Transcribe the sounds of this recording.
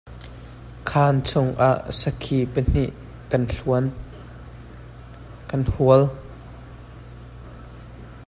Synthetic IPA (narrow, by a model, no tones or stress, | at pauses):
kʰaːnt͡sʰʊŋʔaʔsəkʰipən̥iʔ | kɐnɬuən | kɐnhuəl